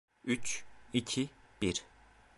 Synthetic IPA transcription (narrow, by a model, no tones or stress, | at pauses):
yt͡ʃicʰib̥iɾ